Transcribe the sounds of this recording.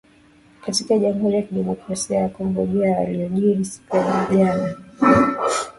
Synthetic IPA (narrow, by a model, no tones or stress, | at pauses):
katikaʄamɦuɾijakiɗɛmɔkɾasiajakɔŋɡɔʄɛaa̰liɔʄiɾisi̥pɛniʄana